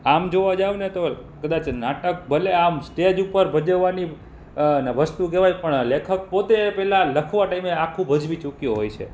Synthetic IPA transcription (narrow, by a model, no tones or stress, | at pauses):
amd͡ʒoʋad͡ʒaʋunet̪o | kəd̪at͡ʃʰnaʈək̚bəleamsʈ̪ed͡ʒupəɾbʱəd͡ʒəʋːani | nəʋəst̪ukeʋajpəɳlekʰək̚pot̪epɛɦlaləkʰʋaʈaimeakʰũbʱəd͡ʒʋit͡ʃukjuɦojt͡ʃʰḛ